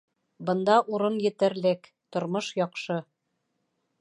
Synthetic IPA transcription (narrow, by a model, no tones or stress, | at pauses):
bɤ̆nd̪ɑʔuɾɤnjɘ̆t̪ɘ̆ɾlɘk | t̪ŏɾmoʃjɒqʃɤ